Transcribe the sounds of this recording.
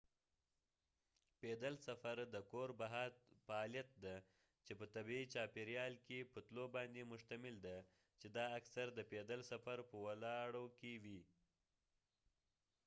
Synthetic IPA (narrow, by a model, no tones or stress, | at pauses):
ped̪əlsafaɾd̪əkoɾbaɦat̪faːlijat̪̚d̪a | t͡ʃepət̪abiit͡ʃɑpeɾjɑlkepət̪lobɑnd̪emʊʃt̪amɪld̪a | t͡ʃed̪ɑaksaɾd̪əped̪əlsafaɾpəwalɑɽokewi